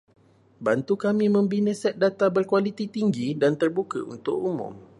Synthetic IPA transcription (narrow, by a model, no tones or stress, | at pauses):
bant̪ukamĩmə̃mbinəsɛt̪̚dat̪abərkwalit̪it̪iŋɡidant̪ərbukə̰ṵnt̪ʊʔumʊ̰̃m